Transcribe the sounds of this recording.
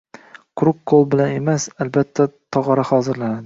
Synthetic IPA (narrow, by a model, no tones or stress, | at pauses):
kʰʊɾʊk̚qʰolˠbɪlane̞masalbat̪ʰːat̪ʰɒʁɑɾahɒzɪɾlanad̪ɪ